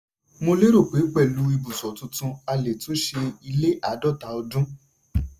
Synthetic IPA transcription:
mo˧le˦ɾo˦˨k͡pe˨˦k͡pɛ˦˨lu˨˦i˧bu˨sɔ˨tũ˧tũ˧a˧le˨to˨˦ʃe˧i˧le˦ʔa˨˦dɔ˦˨ta˧ɔ˧dũ˦

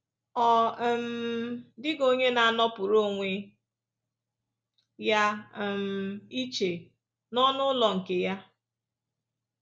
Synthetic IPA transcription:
ɔ˨m̩ | dɪ˦ɡo˦ɲe˦na˨nɔ˦pʊ˨ɾo˦ŋʷe˦ | ja˦˨m̩˨i˦t͡ʃe˨ | nɔ˦nʊ˦lɔ˨ŋ̩˨ke˨ja˦

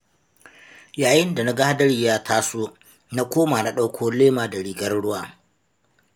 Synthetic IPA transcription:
jaː˨jɪ˦nda˨na˦ɡa˦ha˦dɐ˦ɽi˨jaː˦tʰaː˦soː˦ | na˦kʷoː˦maː˨na˦ɗa˦wkʰʷoː˦leː˦maː˨da˨ɽiː˨ɡɐ˦rɽʊ˦waː˨

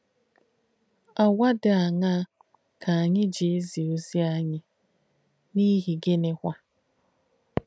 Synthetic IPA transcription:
a˨wʷa˦dɪ˨a˨ŋa˦ | kʰa˨a˨ɲɪ˦d͡ʒi˨e˦zi˨o˦zi˦a˦ɲɪ˦ | ni˦ɦi˨ɡe˦ne˦kʷa˦

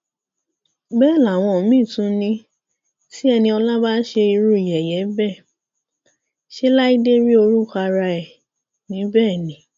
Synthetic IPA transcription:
bɛ˦˨la˨w̃ɔ̃˧˨mĩː˦˨tũ˨˦nĩ˧˦ | ti˦ɛ˧nĩ˧ɔ˧la˦ba˦ʃe˧i˧ɾu˦i˨jɛ˨jɛ˨˦bɛ˦˨ | ʃe˦la˦i˦de˦ɾi˦o˧ɾu˦˨ka˧ɾa˧ɛ˨ | nĩ˨˦bɛː˦˨nĩ˨˦

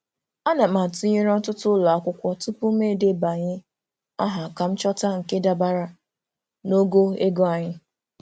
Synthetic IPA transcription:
a˦na˨ma˨tu˦ɲe˦ɾɔ˦tʊ˦tʊ˦lɔ˨a˦kʷʊ˦kʷɔ˦tʊ˦pʊ˦me˦˨de˦ba˨ɲɪ˦ | a˦ɦa˨ka˨m̩˦t͡ʃɔ˦ta˦ŋ̩˨ke˦da˨ba˦ɾa˦ | no˦ɡo˦e˦ɡo˦a˨ɲɪ˦

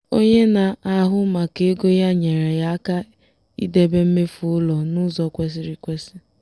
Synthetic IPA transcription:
o˦ɲe˦na˨a˨ɦʊ˦ma˨ke˨e˦ɡo˦ja˦ɲe˨ɾe˨ja˦a˦ka˦ | ḭ˦de˦be˦m̩˦me˦fu˨ʊ˦lɔ˨nʊ˦zɔ˨kʷe˦s̬i˦ɾi˨kʷe˦sti˦

